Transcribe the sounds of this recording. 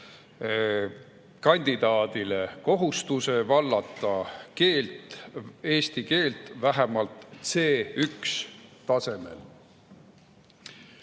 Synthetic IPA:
kɑnʲd̪̥id̪̥ɑːd̪̥ile̞ko̞ɦust̪use̞vɑlːɑt̪ːˑɑke̞ːlt̪ˑe̞ːst̪ike̞ːlt̪væɦemɑlt̪se̞ːykst̪ɑse̞me̞̰l

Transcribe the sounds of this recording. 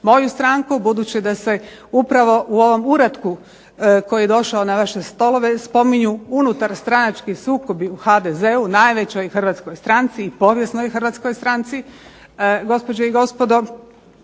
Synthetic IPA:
mo̞just̪ɾaŋkubud̪uːt͡ɕid̪ase̞upɾaʋo̞ʔuo̞ʋo̞muɾat̪ku | ko̞jujed̪o̞ʃaonaʋaʃe̞st̪o̞lˠo̞ʋe̞spo̞miɲuunut̪aɾst̪ɾanat͡ʃkisuːko̞biuxad̪eze̞unajʋe̞t͡ɕo̞jxr̩ʋat̪skojst̪ɾant̪siːpo̞ʋje̞snojxr̩ʋat̪skojst̪ɾant̪si | ɡo̞spod͡ʑeiɡo̞spo̞d̪o̞

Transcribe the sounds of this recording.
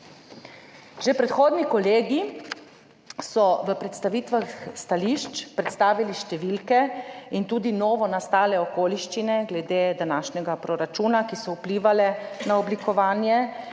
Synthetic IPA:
ʒepɾɛt̪xoːd̪nikɔleːɡi | sɔʋəpɾɛt̪st̪aʋiːt̪ʋaxst̪aliʃt͡ʃpɾɛt̪st̪aːʋiliʃt̪ɛʋilkɛint̪uːd̪inoːʋɔnast̪aːlɛɔkoːliʃt͡ʃinɛɡlɛd̪eːd̪anaːʃnɛɡapɾɔɾat͡ʃuːnakisɔupliːʋalɛnaɔblikɔʋaːnjɛ

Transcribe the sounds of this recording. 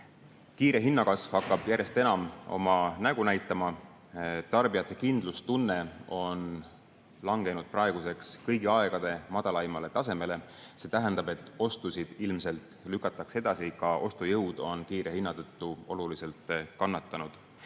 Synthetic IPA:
kiːɾe̞ɦinːɑkɑsv̥hɑkːˑɑb̥jæɾje̞st̪e̞nɑmo̞̰mɑnæɡ̥unæjt̪ːˑɑmɑ | t̪ɑrbijɑt̪ˑːe̞kind̪̥lust̪unːe̞o̞n | lɑŋɡ̥e̞nud̪̥̚prɑe̞ɡ̥use̞kskɤjɡiɑeɡ̥ɑd̪̥e̞mɑd̪̥ɑlɑimɑle̞t̪ɑse̞me̞le̞se̞t̪æɦænd̪̥ɑbe̞t̪ːˑo̞st̪usid̪̥ilmse̞lt̪ːˑlykːˑɑt̪ːˑɑkse̞d̪̥ɑsikɑʔo̞st̪ujɤwd̪̥o̞nkiːɾe̞hinːɑt̪ɤt̪ːuo̞lulise̞lt̪kɑnːɑt̪ːˑɑnud̪̥

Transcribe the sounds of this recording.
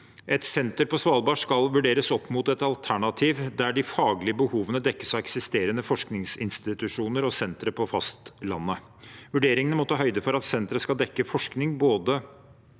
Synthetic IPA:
ʔɛt̪sɛnt̪əɾpɔsʋɑːlbɑʂkɑlʋʉɖeːɾəsɔpːmut̪ɛt̪ɑlt̪ʰæɳɑt̪ʰiːʋd̪æɖɪfɑːɡlɪəbəhuːʋənəd̪ɛkːə̥sɑɛksɪst̪eːɾənəfɔʂknɪŋsɪnst̪ɪt̪ʉʂuːnəɾɔsɛnt̪ɾəpʰɔfɑst̪lɑ̰nːə | ʋʉɖeːɾɪŋənəmɔt̪ːəɦœʏd̪əfɔɾɑt̪sɛnt̪ɾəskɑld̪ɛkːəfɔʂknɪŋboːd̪ə

